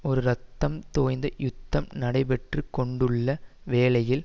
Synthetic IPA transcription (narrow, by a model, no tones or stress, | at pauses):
ɔɾɯɾɐt̪ːɐmt̪oːjnd̪ɐjʊt̪ːɐmnɐɽɐɪpɛʈrɯkɔɳɖɯɭːɐʋeːlɐjɪl